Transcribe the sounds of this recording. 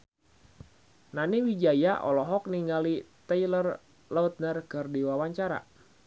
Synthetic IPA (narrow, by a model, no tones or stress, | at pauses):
naniwid͡ʒajaʔɔlɔɦɔk̚niŋɡalit̪ɛjlər | laut̪̚nərkɨrdiwawaɲt͡ʃaɾa̰